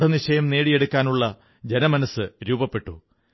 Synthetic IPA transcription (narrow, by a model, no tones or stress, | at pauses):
ɽɐniɕɐjɐmne̞ːɽije̞ɽukʲːaːnuɭːɐ | d͡ʑe̞nɐmɐnɐsːɨɾuːbɐpːe̞ʈːu